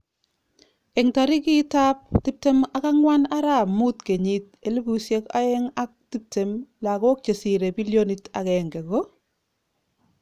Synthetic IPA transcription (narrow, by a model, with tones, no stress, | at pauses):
ɛ˨ŋta˨ɾi˦ki˦ta˦p̚ti˦p̚te˦ma˦ka˦ŋwa˦na˦ɾa˦mu˦tke˨ɲit̚e˨le˦bu˨sje˦ka̰˦ɛ˦ŋa˦k̚ti˦p̚te˨mla˨kɔ˦k̚t͡ʃe˨si˨ɾe˨bi˦ljo˦ni˨tʰa̰˨kɛŋɡɛ˨ɡo˦